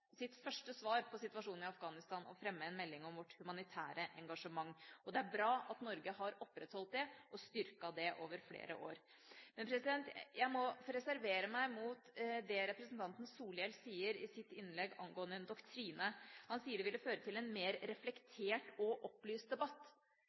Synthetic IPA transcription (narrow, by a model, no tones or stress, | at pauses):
sɪt̪fœʂʈəsʋɑːɾpʰɔsɪt̪ʉɑʂuːnɪɑfɡɑːnɪst̪ɑːnɔ̰fɾɛmːəɛnmɛlːɪŋɔmʋɔʈːhʉmɑnɪt̪ʰæ̰ːɾəʔɛŋɡɑʂəmɑŋːɔd̪ɛæɾbɾɑːʔɑt̪nɔɾɡəhɑɾɔpɾɛt̪hɔlt̪̚d̪ɛʔɔst̪ʏɾkɑd̪ɛʔoːʋəɾflḛːɾə̰ʔo̰ːɾ | mɛnpʰɾɛsɪd̪ɛnt̪jæɪmɔɾɛsæɾʋeːɾəmæɪmut̪d̪ɛɾɛpɾəsnt̪ʰɑnt̪ən̩suːlɛlsiːəɾɪsɪt̪ːɪnːlɛɡɑŋɡoːənd̪əɛnd̪ɔkt̪ʰɾiːnəhɑnsiːəɖɛʋɪlːəføːɾət̪ʰɪlɛnmeːɾɾɛflɛkt̪ʰeːʈɔʔɔplyːst̪̚d̪ɛbɑt̪ː